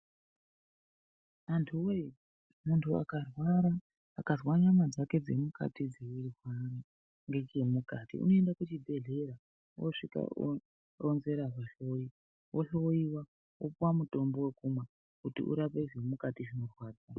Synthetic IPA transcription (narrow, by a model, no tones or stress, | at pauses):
antʰuwe | muntʰua̰karwaɾaː | kazwaɲamad͡zake̞d͡ze̞muka̰tid͡zeirwana | ŋɡe̞t͡ʃe̞mukatḭṵno̞endakut͡ʃibʱe̞ɮe̞ɾa | woʂika̰ | onze̞ɾaʐaɬoji | wʔoɬooiwa | wʔopuwamuto̞mbo̞wekumwa | kutḭʔṵɾapeiʐemukatiʐino̞rwaːd͡za